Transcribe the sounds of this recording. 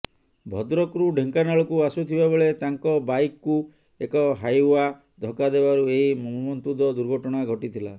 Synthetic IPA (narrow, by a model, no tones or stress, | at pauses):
bʱɔd̪ɾɔkɾuɖʱeŋkanaɭɔkuasut̪ʰibaboɭet̪aŋkɔbajkːu | ekɔɦajua | d̪ʱɔkad̪ebaɾueɦimɔmumɔnt̪ud̪ɔd̪uɾɡʱɔʈɔɽ̃aɡʱɔʈit̪ʰila